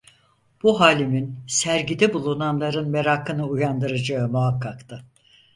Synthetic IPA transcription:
b̥uɦaːlʲiminsæɾɟid̪ɛbulˠunanlˠaɾɯnme̞ɾakʰɯnɯujand̪ɯɾad͡ʒaɯmuɦakʰːakt̪ʰɯ

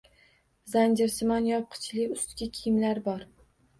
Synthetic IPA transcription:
zand͡ʒɪɾsɪmɒnjɒp̚qʰɨ̥t͡ʃʰlɪʊst̪ɡʲɪkʲʰɪjɪmlaɾbɒɾ

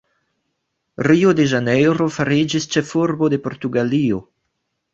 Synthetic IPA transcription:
ɾiod̪e̞ʒanejɾo̞faɾid͡ʒist͡ʃefuɾbo̞d̪e̞po̞ɾt̪uɡalio̞

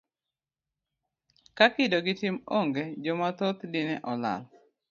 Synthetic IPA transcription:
kakɪdoɡɪtɪmoŋɡed͡ʒɔmat̪ot̪dɪnɛʔɔla̰l

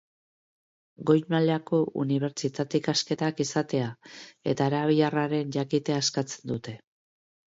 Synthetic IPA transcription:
ɡo̞jmaleako̞ṵniβ̞e̞ɾt͡ʃit̪at̪ikaske̞t̪akisat̪e̞ae̞̰t̪aːɾaβ̞iʎaraɾe̞nʝakit̪e̞askat͡se̞nd̪ut̪e̞

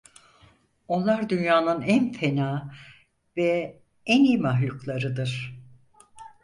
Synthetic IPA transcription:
o̞nlˠaɾd̪ynjaːnɯnænfenaː | vɛ | ɛniːmaɦlʲuklˠaɾɯd̪ɯɾ̥

